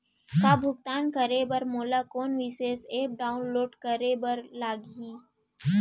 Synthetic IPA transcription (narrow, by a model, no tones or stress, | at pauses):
k̪aːbʱʊɡt̪aːnkəɾebəɾmoːlaːkoːnʋiseːseːp̚ɖaːʊnloːɖkəɾebəɾlaːɡiː